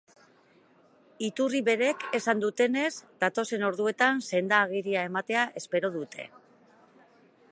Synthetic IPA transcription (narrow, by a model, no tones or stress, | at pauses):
it̪uriβe̞ɾe̞ke̞sand̪ut̪e̞ne̞zd̪at̪o̞se̞no̞ɾðue̞t̪anse̞nd̪aːɣ̞iɾiae̞mat̪e̞aʔe̞spe̞ɾo̞ð̞ut̪ʰe̞̰